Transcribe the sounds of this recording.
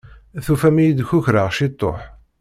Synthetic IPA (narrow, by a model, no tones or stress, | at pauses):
θufæmijid̪çʊçɾəʁʃit̪ˤːo̰ħ